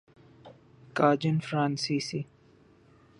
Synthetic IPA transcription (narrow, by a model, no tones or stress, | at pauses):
kaːd͡ʒənfɾãːnsiːsi